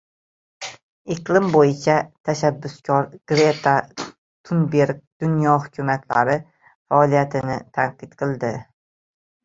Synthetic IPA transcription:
ɪqlˠɪmbojɪt͡ʃʰat̪ʰaʃabːʊskʲʰɒɾɡ̥ɾet̪ʰa | t̪ʰʊnbeɾk̚ʲd̪̥ʊnjɒɦʊkʲʰumat̪ʰla̰ɾɪ | faːlijat̪ʰɪnɪt̪ʰanqɨt̪qʰɨlˠd̪ɪ

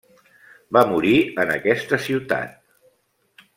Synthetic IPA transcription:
bamuɾiənəkɛst̪əsiwt̪a̰t̪

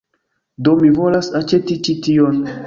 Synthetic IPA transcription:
domivolasat͡ʃetit͡ʃition

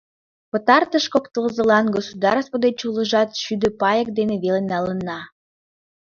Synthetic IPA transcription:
pə̆t̪ɑrt̪əʃkokt̪əlzə̆lɑnɡosud̪ɑɾspod̪et͡ɕulə̆ʒɑt̪ʃyd̪ø̆pɑjək̚d̪eneβelenɑlənːɑ

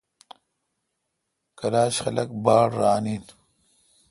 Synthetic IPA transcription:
kɐlaːɕxɐlɐk̚baːɽɾaːniːn

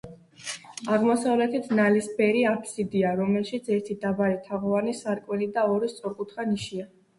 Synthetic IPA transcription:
aʁmɔsavlɛt̪ʰit̪ʰnalisbɛɾiapʰsid̪iaɾɔmɛlˠʃit̪sʰɛɾt̪ʰid̪abaɾit̪ʰaʁɔvanisaɾkʼwɛlid̪aɔɾist̪sʼɔɾkʼut̪ʰχaniʃia

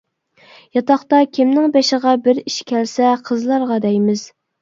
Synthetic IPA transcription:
jɑt̪ɑχt̪ɑkʲʰɪmnɪŋbeʃɪʁɑbɪɾiʃkʲʰɛlsɛqʰəzlˠɑɾʁɑd̪ɛjmɪz̥

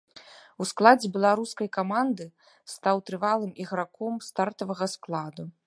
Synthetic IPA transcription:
usklˠad͡zʲɛbʲɛlˠaɾuskɐjkamand̪ɨ | st̪awt̪ɾɨvalˠɨmiɣɾakɔmst̪art̪ɐvɐɣɐsklˠad̪u

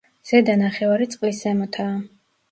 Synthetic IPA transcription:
z̥ɛd̪anaχɛvaɾit̪sʼqʼliszɛmɔt̪ʰaː

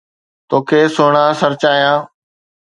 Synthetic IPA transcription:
t̪oːkʰeːsoːɳaːsəɾt͡ɕaːjãː

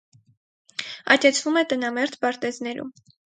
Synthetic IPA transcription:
ɑ̰t̪ɛt͡sʰvumɛt̪ənɑmɛɾt̪ʰbɑɾt̪ɛznɛɾṵm

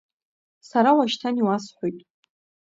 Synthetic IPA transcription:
saɾawaʃtʰaniwasħʷojtʼ

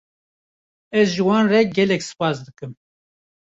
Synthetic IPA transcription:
ɛzʒɨwɑːnrɛɡɛlɛksɨ̥pɑːsd̪ɨkɨm

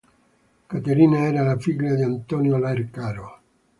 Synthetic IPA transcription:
kat̪eɾiːnaɛːɾalafiɡlad̪iant̪ɔnjolaerkaːɾo

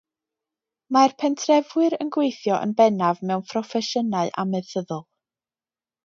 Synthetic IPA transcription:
marpʰɛntʰrɛvwɨɾə̰nɡwejθjɔʔə̰nbɛnavmɛwnpʰrɔfɛʃənaɨʔa̰mɛðθəðʊlˠ

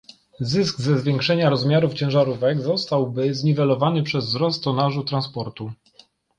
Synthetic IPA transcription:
zɘsɡzɛzvʲjɛŋkʂɛɲaɾɔzmʲjaɾuft͡ɕɛ̃w̃ʐaɾuvɛɡzɔst̪awbɘzɲivɛlɔvanɘpʂɛzvzɾɔst̪ɔnaʐut̪ɾanspɔɾt̪u

